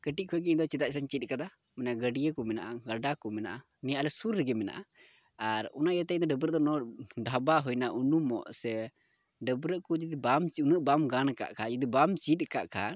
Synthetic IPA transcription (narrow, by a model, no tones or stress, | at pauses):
kəʈiʔ̚kʰɔɡɛd̪ɔt͡ʃɛd̪aʔsaɲt͡ʃit̪̚ˀkad̪a | mɛnaʔɡəɖijəkɔmɛna̰ʔaɡəɖakɔmɛna̰ʔa | nɛjaʔlɛsuɾːɛɡɛmɛna̰ʔa | aɾɔ̰naʔjat̪ɛd̪ɔɖəbɾəʔd̪ɔnɔɖʱabaɦɔjnaʔunumɔ̰ʔsɛ | ɖəbɾəʔkɔd͡ʒud̪ibamunəʔbamɡanka̰ʔkʰad͡ʒud̪ibamt͡ʃit̪̚ˀkaʔkʰa̰n